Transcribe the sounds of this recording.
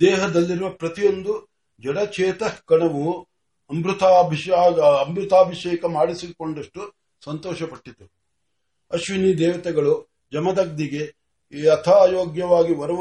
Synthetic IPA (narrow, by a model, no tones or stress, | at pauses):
d̪ɛːɦɐd̪ɐlːiɾuʋɐpɾɐt̪ijo̞nd̪u | d͡ʒɐɽɐt͡ʃʰɛːt̪ɐkɐɳɐʋu | ɐmbɾut̪abʱiɐmbɾut̪aːbʱiʃɛːkɐmaːɽisikoɳɖɐʂʈu | sɐnt̪ɔːʃɐpɐʈːit̪ːu | ɐʃʋiniːd̪ɛːʋɐt̪ɛɡɐɭu | d͡ʒɐmɐd̪ɐɡ̚d̪iɡe̞ | ɐt̪ʰajoːɡjɐʋaːɡiʋɐɾɐʋ